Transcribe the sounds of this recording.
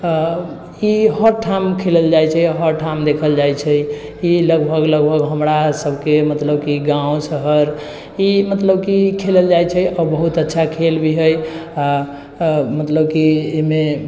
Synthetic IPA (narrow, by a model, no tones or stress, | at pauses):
iɦəɾʈʰamkʰeləld͡ʒajt͡ʃʰɛɦəɾʈʰamd̪ekʰəld͡ʒajt͡ʃʰɛjiləɡbʱəɡləɡbʱəɡɦəmɾasəbʱkemət̪ləbkiɡãõsəɦəɾ | imət̪ləbkikʰeləld͡ʒajt͡ʃʰɛɔɾbəɦut̪ətːʃʰakʰelbʱiɦəja | mət̪ləbkiime